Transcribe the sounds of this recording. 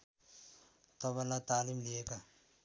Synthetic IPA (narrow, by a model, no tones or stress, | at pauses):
t̪ɔβalatalim̩leka